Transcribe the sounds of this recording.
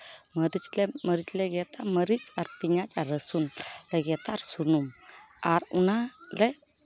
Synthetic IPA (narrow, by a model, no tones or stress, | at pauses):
məɾit͡sleməɾit͡sleɡɛt̪aməɾit͡saɾpiɲat͡saɾəsunleɡɛt̪aɾsunumaɾunale